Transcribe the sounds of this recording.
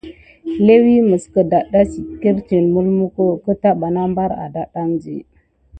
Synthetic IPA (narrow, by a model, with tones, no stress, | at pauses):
le˦wi˦mə˨skə˨da˨ɗa˦si˨ke˦ɾt͡ʃe˨nmu˦lmu˦ko˦kə˦ta˦ɓa˨na˦mba˦ɾa̰˨da˦ɗa˦nd͡ʒḭ˨